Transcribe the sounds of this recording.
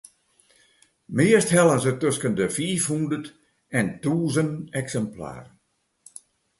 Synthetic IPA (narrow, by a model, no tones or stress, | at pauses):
mɪəsthɛlˠənzətøskəndəfiːfhundət | ɛntuːzənɛksɛmpla̰ːr